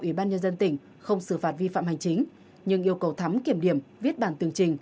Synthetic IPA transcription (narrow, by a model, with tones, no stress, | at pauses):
ʔwi˧˩ɓaː˧nɲə˧nzə˧nt̪ï˧˩ŋ̟ | xə˧wŋ͡msɨ˧˩faː˨˩t̚vi˧fa̰ː˧˨mha˨˩jŋ̟t͡ɕï˨˦ŋ̟ | ɲɨ˧ŋʔi˧əwkə˨˩wt̪ʰa˨˦mki˧˩əmɗi˧˩əmvi˦˥ət̚ɓaː˧˩nt̪ɨ˨˩əŋt͡ɕï˨˩ŋ̟